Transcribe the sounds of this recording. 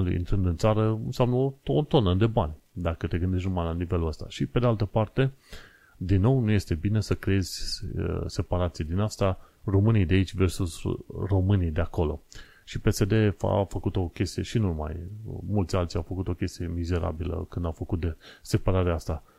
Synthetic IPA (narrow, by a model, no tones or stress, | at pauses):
lḭnt̪ɾɨnd̪ɨnt̪saɾəɨ̰nsjamnəotoot̪o̞nəd̪e̞banʲ | d̪akət̪e̞ɡɨnd̪e̞ʃ̬t̪numajlanive̞luəst̪a̰ʃipe̞d̪ealt̪əpart̪e̞ | d̪inːo̞wnuje̞st̪e̞bine̞səkɾee̞zʲə̰se̞paɾat̪sijed̪inast̪a | ro̞mɨnijd̪eait͡ʃʲve̞rsusro̞mɨnijd̪e̞ako̞lo̞̰ | ʃipe̞se̞d̪e̞fa̰fəkut̪o̞kʲe̞st̪ijeʃinuma̰jmult̪sʲalt̪sʲa̰wfəkut̪o̞kʲe̞st̪ije̞mize̞ɾa̰bilə̰kɨnd̪awfəkut̪̚d̪ese̞paɾaɾeaast̪a